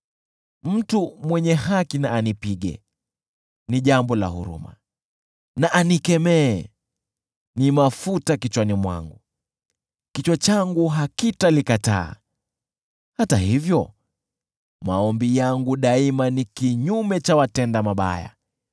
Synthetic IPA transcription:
m̩tumwɛɲɛhakinaːnipiɡɛ̰ | niʄambɔla̰hṵɾṵma̰ | naʔanikɛmɛː | nimafutakit͡ʃwanimwa̰ŋɡu | kit͡ʃwat͡ʃaŋɡuɦakitalikata̰ː | hataɦivjɔ | maɔmbijaŋɡuɗaimanikiɲumɛt͡ʃawatɛndamaɓa̰ja̰

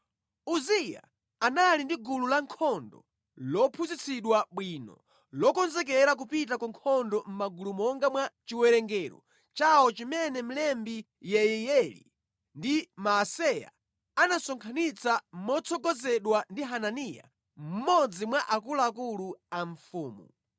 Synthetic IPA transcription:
uzija̰ | analindiɡululaŋkʰɔndɔ | lɔpʰuzit͡sʰiɗwaɓwinɔ̰ | lɔkɔnzɛk̬ɛɾak̬upit̬akɔŋkʰɔndɔm̩maɡulumɔŋɡamwat͡ʃiwɛɾɛŋɡɛɾɔ̰ | t͡ʃawɔt͡ʃimɛnɛm̩lɛmbi | jɛjɛjɛlḭ | ndimaːsɛja̰ | anasɔŋkʰanit͡sam̩mɔt͡sʰɔɡɔzɛɗwandiɦananija̰ | m̩mɔd͡zimwaʔakulaakuluaɱ̩fuːmu

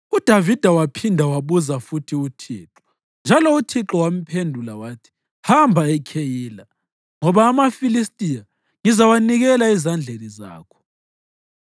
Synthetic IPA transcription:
ud̥ʱavid̥ʱawapʰindʱawaβuzafutʰiutʰiːǁɔ̥ | nd͡ʒʱalɔutʰiǁɔwam̩pʰendʱulawaːtʰi̥ | hambʱaɛkʰejiːla | ŋɔβaːmafilis̬tʼija | ŋizawaniɣɛlaizand͡ɮʱeniza̰ːkʰɔ̥

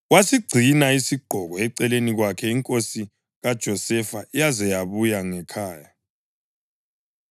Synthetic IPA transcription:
wasiɡ͡ǀʱinaisiɡ͡ǃ̥ʱɔɣɔɛǀɛleniɣwakʰɛiŋkʼosi | ɣad̥ʒ̥ʱɔsɛfaijazɛjaβujaŋɛkʰaːja

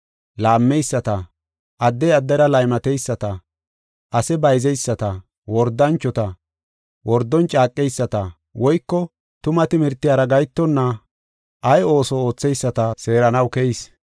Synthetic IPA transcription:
laːmːɛjsːɐt̪ɐ | ʔɐd̪ːɛjɐd̪ːɐɾɐlɐjmɐt̪ɛjsːɐt̪ɐ | ʔɐsɛbɐjzɛjsːɐt̪ɐ | wɔɾd̪ːɐnt͡ʃːɔt̪ɐ | wɔɾd̪ːɔnt͡ʃʼaːkʼːɛjsːɐt̪ɐ | wɔjkːɔ | t̪ʊmɐt̪ɪmɪɾt̪ːɪjaːɾɐɡɐjt̪ːɔnːɐ | ʔɐjo̞ːsɔo̞ːt͡sːɛjsːɐt̪ɐse̞ːɾɐnɐwkɛjɪs

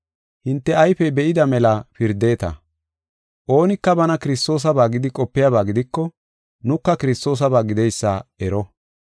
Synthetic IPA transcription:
hɪnt̪ːɛɐjfɛbɛʔɪd̪ɐmɛlɐfɪɾd̪e̞ːt̪ɐ̰ | ʔo̞ːnɪkːɐbɐnɐkɪɾɪst̪o̞ːs̬ɐbaːɡɪd̪ɪkʼɔpːɪjabaːɡɪd̪ɪkːɔ | nʊkːɐkɪɾɪst̪o̞ːs̬ɐbaːɡɪd̪ɛjsːa̰ɛɾɔ

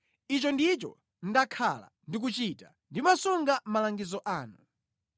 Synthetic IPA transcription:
it͡ʃɔndit͡ʃɔ̰ | n̩dakʰala̰ndik̬ut͡ʃita | ndimasuŋɡamalaŋɡizɔʔaːnu

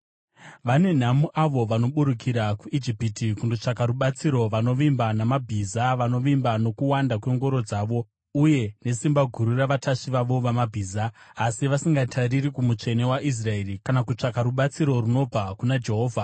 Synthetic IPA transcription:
ʋane̞n̤amuʔaʋo̞ʋano̞ɓuɾukiɾakuʔid͡ʒipitikundot͡ʂakaɾuɓat͡siɾo̞ʋano̞ʋimbanamabʱizaʋano̞ʋimbano̞kuwandakwe̞ŋɡo̞ɾo̞d͡zaːʋo̞ | uje̞ne̞simbaɡʱuɾuraʋatʰaʂiʋaʋo̞ʋamabʱiːzaːsiʋasiŋɡatʰariɾikumut͡ʂe̞ne̞waʔis̬rae̞rikanakut͡ʂakaɾuɓat͡siɾo̞runo̞vʱakunad͡ʒe̞ɦo̞ːvʱa

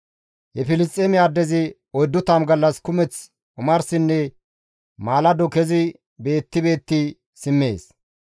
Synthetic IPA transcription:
hɛfɪlɪs̬tʼːeːmɪaːd̪ːɛzɪ | ɔjd̪ːʊt̪ɐmɡɐlːɐskʊmɛt͡s | ʔʊmɐɾsɪnːɛ | maːlɐd̪ɔkɛzɪ | be̞ːt̪ːɪbe̞ːt̪ːi | sɪmːe̞ːs

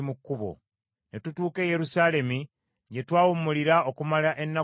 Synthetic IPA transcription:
mukːuβo̞̰ | netutuːke̞je̞ɾusaːle̞mi | ɲɟe̞twaːwumːuliɾao̞kumalaʔe̞nːa

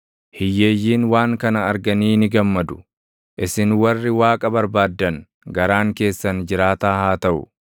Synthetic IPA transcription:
hɪjːe̞ːjːiːnwaːŋkɐnɐɐɾɡɐniːnɪɡɐmːɐd̪ʊ̥ | ʔɪsɪnwɐrːɪwaːkʼɐbɐɾbaːd̪ːɐn | ɡɐɾaːŋke̞ːsːɐnd͡ʒɪɾaːt̪aːhaːt̪ɐʔʊ̰

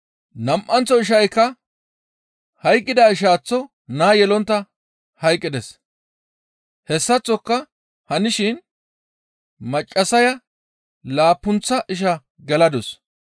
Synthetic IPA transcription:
nɐmʔɐnt͡sːɔɪʃ̬ɐjkːɐ | hɐjkʼːɪd̪ɐɪʃ̬aːt͡sːɔ | naːjɛlɔnt̪ːɐ | hɐjkʼːɪd̪ɛs | hɛsːɐt͡sːɔkːɐ | hɐnɪʃɪn | mɐt͡ʃʼːɐsɐjɐ | laːpːʊnt͡sːɐʔɪʃ̬ɐ | ɡɛlɐd̪ɔs

